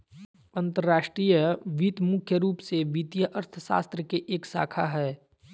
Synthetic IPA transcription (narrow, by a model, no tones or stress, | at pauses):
ɐ̃nt̪əɾːaːʃʈɾiːjəʋit̪mʊkʰjəɾuːpseʋit̪jəʔɐɾt̪ʰəʃa̰ːst̪ɾəkeʔeːksa̰ːkʰaɦɛː